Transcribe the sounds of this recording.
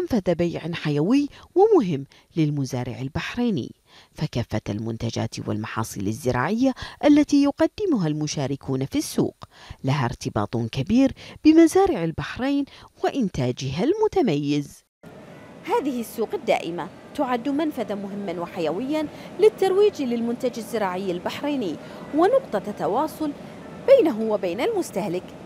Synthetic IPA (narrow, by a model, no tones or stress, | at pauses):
manfaðabajʕaħajawɪjwɪmʊɦɪmː | lɪlmʊzaːɾɪ̰ʕalbaħɾˤaːnɪ̰ː | fakaːfːaa̰lmʊnt̪ad͡ʒa̰ːt̪wɪ̰lmɑħɑ̰ːsˤɨ̰ːla̰zːɪɾa̰ːʕɪjːaʔalːat̪iːjʊqɑd̪ːɪmʊɦalmʊʃaːɾɪkʰuːnafisːṵːqlaɦaɾt̪ɪbɑ̰ːt̪ˤkabiːɾb̥ɪmazaːɾɪʕalbaħɾeːnwɪʔɪnt̪aːd͡ʒɪɦalmʊt̪amajːɪz | haːðɪhɪsːuːqad̪ːa̰ːʔɪmat̪ʊʕad̪ːʊmanfaðamʊɦɪmːanwɪħajawɪjːalɪt̪ːɑɾˤwiːd͡ʒlɪlmʊnt̪ad͡ʒazːɪɾaːʕɪjːalbaħɾˤeːnɪː | wɪnʊqt̪ˤɑt̪ːɑwɑːsˤʊl | b̥ajnaɦʊwɪbaːnalmʊst̪ahlɪk